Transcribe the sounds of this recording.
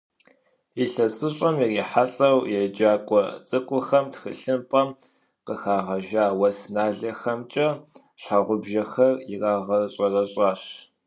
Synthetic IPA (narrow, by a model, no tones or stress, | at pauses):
iɬɐt͡sʼɨɕʼɐmjiriːħasʼɐwjɛd͡ʒaːkʷʼɔt͡sʼɨkʷʼʊxɐmtxɨ̰ɬɨmpʼɐm | qəxaːʁɐʒaːwɐsnaːɮɐxɐmt͡ʃʼɐ | ɕħaʁʷʊbʒɐxɐriraːʁɐɕʼɐrɐɕʼɑːɕ